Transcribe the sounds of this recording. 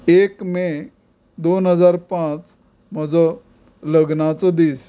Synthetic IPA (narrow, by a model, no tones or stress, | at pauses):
ekme | d̪onɦəd͡zaɾpãt͡s | m̤əd͡zɔ | ləɡnat͡sɔd̪iːs